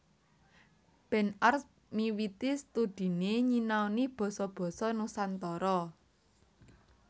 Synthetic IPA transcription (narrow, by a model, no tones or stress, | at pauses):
b̥ɛ̤nars | miwit̪ist̪ud̪̥i̤neɲinawnib̥ɔ̤sɔb̥ɔ̤sɔnusant̪ɔɾɔ